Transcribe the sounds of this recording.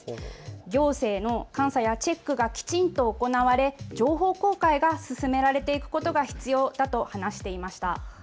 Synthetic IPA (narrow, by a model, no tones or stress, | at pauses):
ɡʲo̞ːse̞ːno̞kãɰ̃sajat͡ɕe̞kːɯ̟ɡakʲi̥t͡ɕĩnt̪o̞ːko̞naβaɾe̞d͡ʑo̞ːɦo̞ːko̞ːkaiɡasɨsɨme̞ɾaɾe̞t̪e̞ikɯ̟̥ko̞t̪o̞ɡaçi̥t͡sɨjo̞ːd̪̥at̪o̞hanaɕi̥t̪e̞imaɕi̥t̪a̰